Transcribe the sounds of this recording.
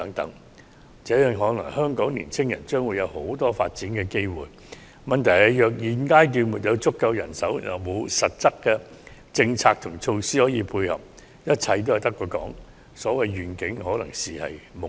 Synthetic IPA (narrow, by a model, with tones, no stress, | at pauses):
t̪ɐ˨˥ŋt̪ɐ̰˨˥ŋ | t͡sɛː˨˥jœː˨˧ŋɦɔː˨˥nɐ̰˨˩ŋhœː˥ŋkɔː˨˥ŋliː˨˩nt͡sʰɪ˥ŋjɐ˨˩nt͡ʃœː˥ŋwu˨˧jɐ˨˧who˨˥wt̪ɔː˥fa̰ː˧t̚t͡siː˨˥nkɛː˧ke˥jwṵː˨˩j | mɐ˨nt̪ʰɐ˨˩jhɐ˨˧jjœː˨k̬̚jiː˨˧nkaː˥jt̪yː˧nmu˨t̚jɐ˨˧wt͡sʊ˥kːɐ˧wjɐ̰˨˩nsɐ˨˥wjɐ˨wmo˨˧wsɐ˨˩t̚t͡sɐ˥kːɛː˧ | t͡sɪ˧ŋt͡sʰaː˧k̚t̪ʰʊ˨˩ŋt͡ʃʰo˧wsiː˥hɔː˨˥jiː˨˧pʰuː˧jhɐ̰˨p̚ | jɐ˥t̚t͡sʰɐ˧jt̪̬whɐ˨jt̪ɐ˥kːɔː˧kɔ̰ː˨˥ŋ | sɔː˨˥wɐ˨˧jɥyː˨˩nkɪ˨˥ŋhɔː˨˥lɐ˨˩ŋsiː˨hɐ̰˨jmʊ˨˩